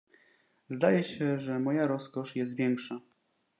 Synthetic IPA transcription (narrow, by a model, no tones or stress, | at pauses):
zd̪ajɛɕɛʐɛmɔjaɾɔskɔʂjɛs̬t̪vʲjɛŋkʂa